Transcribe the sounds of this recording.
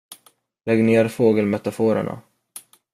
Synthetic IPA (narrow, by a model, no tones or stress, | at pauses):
lɛɡneːɾfoːɡəlmɛt̪afoːɾə̰ɳa̰